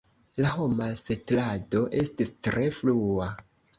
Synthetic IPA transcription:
laɦo̞masetlado̞ʔe̞stistɾe̞flua

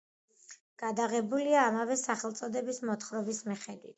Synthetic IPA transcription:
ɡ̥ad̪aʁɛbuliaːmavɛsaχɛlˠt̪sʼɔd̪ɛbismɔt̪χɾɔbismiχɛd̪wit̪̚ʰ

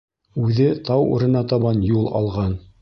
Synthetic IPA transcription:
ʉðɘt̪ɑwṵɾɤ̆nɑt̪ɑβɑnjulˠɑ̰lˠʁɑn

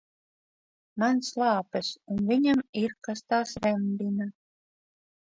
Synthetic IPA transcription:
mɑnslˠɑːpəsunviɲʲamirkast̪ɑːsɾɛmʲd̪inə

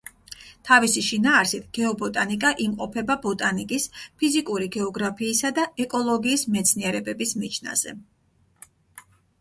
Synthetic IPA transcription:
t̪ʰavisiʃinaːɾsit̪ʰɡ̥ɛɔbɔt̪ʼanikʼaʔimqʼɔpʰɛbabɔt̪ʼanikʼispʰizikʼuɾiɡɛɔɡɾapʰiːsad̪aɛkʼɔlˠɔɡiːsmɛt̪sʰniɛɾɛbɛbismit͡ʃʰna̰z̥ɛ̰

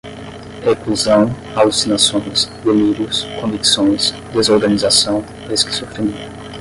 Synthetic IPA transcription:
ekluzɐ̃w̃ | alusinasõj̃sd̪eliɾʊskõviksõj̃s | d̪ezoɾɡɐ̃nizasɐ̃w̃ | eski̥sofẽmi

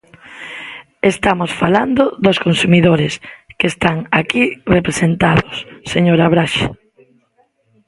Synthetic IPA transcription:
est̪amosfaland̪oðoskonsumiðoɾɪskest̪aŋakirepɾesent̪aðosːeɲoɾaβɾaʃa̰

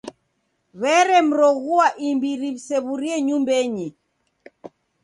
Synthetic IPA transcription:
βɛɾɛm̩ɾɔɣuaʔimbiɾiβisɛβuɾiɛɲumbɛɲi

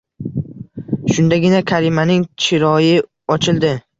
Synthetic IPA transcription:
ʃʊnd̪aɡʲɪnakʲʰaɾimanɪŋt͡ʃʰɪɾɒjɪ | ɒt͡ʃʰɪlˠd̪ɪ

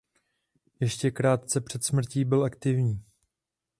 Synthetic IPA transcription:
jɛʃcɛkɾaːt̪̚t͡sɛpr̥ɛt̪smr̩ciːbɪlʔakt̪ɪvɲiː

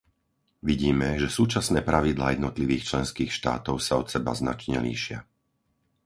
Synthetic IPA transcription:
ʋiɟiːmɛʒɛsuːt͡ʃasnɛːpɾaʋid̪la̰ːjɛd̪nɔt̪liʋiːxt͡ʃlɛnskiːxʃt̪a̰ːt̪ɔʊsaɔt̪sɛba̰zna̰t͡ʃɲɛ̰lḭːʃɪa̰

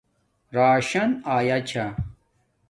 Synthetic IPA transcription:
ɾaːɕɐnaːjat͡ɕʰa

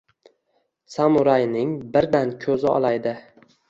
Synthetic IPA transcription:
samʊɾajnɪŋbɪɾd̪ankʲʰɵzɪɒ̰lˠajd̪ɪ

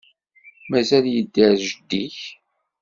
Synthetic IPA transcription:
mæzæljəd̪ːəɾʒəd̪ːiç

